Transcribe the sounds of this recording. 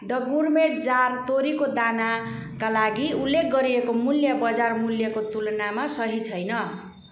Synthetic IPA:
d̪ʌɡurmeʈ̚d͡zart̪oɾikod̪ana | kalaɡiulːek̚ʰɡʌɾiekomuljʌbʌd͡zarmuljʌkot̪ulʌnamasʌɦit͡sʰʌjnʌ

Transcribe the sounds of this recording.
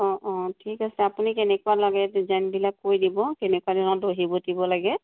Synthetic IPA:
ɔ̃ʔɔ̃tʰikasɛapunikɛnɛkʊalɔɡɛtzanbilakːojdibɔkɛnɛkuadinɔdoɦibɔtibɔlaɡɛ

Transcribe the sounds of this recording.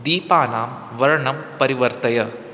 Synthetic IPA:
d̪iːpaːnaːm | ʋɐɻɐɳɐmpɐɾɪʋɐɾt̪ɐjɐ

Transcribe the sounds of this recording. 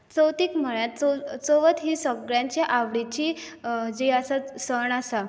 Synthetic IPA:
t͡səwt̪iːkm̤əɭjãt̪̚t͡sot͡soʋət̪ɦiːsəɡɭjãɲt͡ɕeʔaʋɽit͡ɕiː | d͡ʑejasasəɳasa

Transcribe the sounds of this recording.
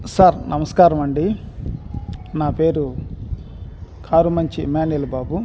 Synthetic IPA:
saɾnʔɐmɐskaːɾɐmɐɳɖi | naːpe̞ːɾu | kʰaːɾumɐɲt͡ʃimaːniɐlubaːbu

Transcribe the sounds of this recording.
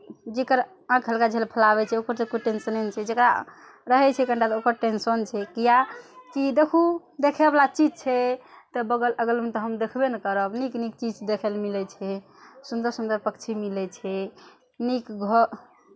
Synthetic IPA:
d͡ʒekəɾ | ãkɦəlkad͡ʒʱelpʰəlaβɛt͡ʃʰɛokəɾt̪ekuʈensənent͡ʃʰɛd͡ʒekɾa | ɾəɦɛt͡ʃʰɛkəɳʈat̪okəɾʈensənt͡ʃʰɛkijakid̪ekʰu | d̪ekʰeblat͡ʃid͡ʒt͡ʃʰɛ | t̪ɔbəɡələɡəlmet̪ɔɦəmd̪ekʰbenəkəɾəbniknik̚t͡ʃid͡ʒd̪ekʰelmilɛt͡ʃʰɛ | sund̪əɾsund̪əɾpəkt͡ʃʰimilɛt͡ʃʰɛ | nikɡʱə

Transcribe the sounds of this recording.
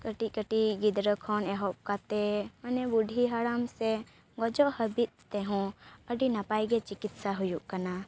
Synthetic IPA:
kəʈikəʈiɡid̪ɾəkʰɔnɛɦɔp̚kat̪ɛmanɛbuɖʱiɦaɽamsɛ | ɡɔd͡ʒɔʔhəbit̪̚t̪ɛɦɔ̃əɖinapajɡɛt͡ʃikit̪saɦujuʔkana

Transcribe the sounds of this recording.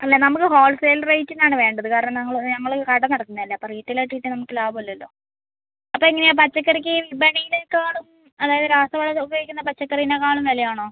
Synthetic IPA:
ɐlːenɐmukːɨɦo̞ːlseːlrejtːinːaːɳɨʋe̞ːɳɖɐðɨkaːɾiɳɐmnɐŋːɐɭnɐŋːɐɭkɐɽɐnːɐɽɐt̪ːinːɐlːɐɐpːɐriːtːileʈːiːʈːɨnɐmukːɨlaːbuɐlːɐɐlːo̞ː | ɐpːoːiŋːɐnejapɐt͡ɕːɐkːɐrikʲːɨʋibɐɳijilekaːɭum | ɐðaːjɐðɨɾaːst̪ɐʋɐɭɐoɡɐɣikʲːunːɐpɐt͡ɕːɐkːɐrijinekaːɭumʋɐlɐjaːɳo̞ː

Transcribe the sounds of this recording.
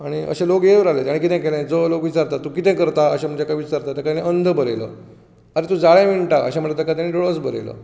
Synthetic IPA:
aɽ̃iə̰ɕẽlokjeʋɾalet̪aɽikit̪ɛ̃kelɛ̃d͡zolokʋit͡saɾt̪at̪ũkit̪ɛ̃kəɾt̪aəɕam̤əɳd͡ʑakajʋit͡ɕaɾt̪at̪akat̪aneənd̪ʱəbəɾelə̰ | aɾet̪ũd͡zaɭãmiɳʈaə̰ɕaməʈlet̪ekat̪̬aneɖoɭəsbəɾḛlə̰

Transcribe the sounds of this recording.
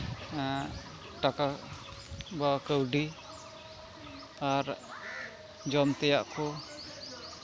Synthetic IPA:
ʈaka | bakəwɖi | aɾ | d͡ʒɔmt̪ɛjaʔkɔ

